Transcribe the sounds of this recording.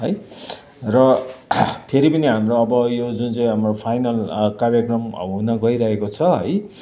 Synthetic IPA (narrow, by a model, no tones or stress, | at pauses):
ɦʌj | rʌ | pʰeɾipʌniɦamroʌbʌjod͡zunt͡sʌj̃ɦamropʰajnʌlkarjakrʌmɦunʌɡʌiɾʌɦekot͡sʰʌɦʌj